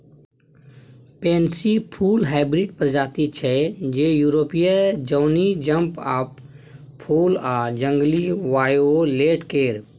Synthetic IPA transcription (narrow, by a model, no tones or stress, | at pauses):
pẽːnsipʰuːlɦaːɪbɾiɖpəɾd͡ʒaːt̪it͡ʃʰɛd͡ʒeːjuːɾoːpijəd͡ʒoːnid͡ʒə̃mpapʰː | uːlaːd͡ʒə̃ŋɡliʋaːjoleːʈkeːɾ